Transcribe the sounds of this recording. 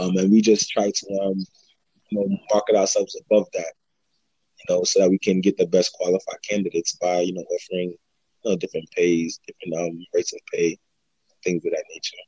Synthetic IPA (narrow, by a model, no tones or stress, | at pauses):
ʌ̃mɨ̃nwid͡ʒʌstʰɹ̥aɪtʰəʌ̃m | jɨnoʊmɑɹkɨɾaʊə˞sɛlˠvzəbʌvðæt̚ | jɨnoʊsoʊðət̚wikʰɨ̃nɡɛt̪̚ðɨbɛskʰw̥ɑlˠəfaɪd̚kʰæ̃ndɨɾeɪtsb̥aɪjɨnoʊʔɔfə˞ɪ̃ŋ | jɨnoʊdɪfɹɨ̃npʰeɪzdɪfɹɨ̃ntʌ̃mɹeɪtsʌv̥pʰeɪ | θɪ̃ŋzwɨðɨtⁿneɪt͡ʃə˞